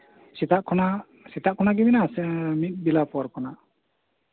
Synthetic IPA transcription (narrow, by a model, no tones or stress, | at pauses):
sɛt̪aʔkʰɔna | sɛt̪aʔkʰɔnaɡɛbinasɛmit̪̚ˀbilapɔaɾkɔnaʔ